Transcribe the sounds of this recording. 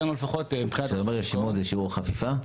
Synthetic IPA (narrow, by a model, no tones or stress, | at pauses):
nulefaχot̪mipχinazaomeʁeʃimozeʃiuʁχafifa